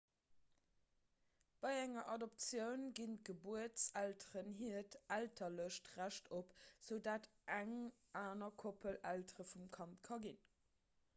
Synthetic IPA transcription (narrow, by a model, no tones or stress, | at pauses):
b̥ɑɪæŋɐʔɑdop̚t͡sjəʊnɡint̚ɡ̥əbuətt͡sæltəʁənɦiətʔæltʰɐləʃtʁæʃtʰopz̥əʊdaːtʔæŋ | ʔaːnɐkʰopʰəlæltəʁəfumkʰɑntkʰɑɡin